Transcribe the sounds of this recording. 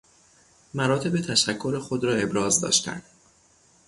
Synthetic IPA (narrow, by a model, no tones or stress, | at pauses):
mæɾɒːt̪ʰe̞be̞t̪ʰæʃækʰːo̞ɾexod̪ɾɒːe̞bɾɒːzd̪ɒ̰ːʃt̪æ̰nd̪̥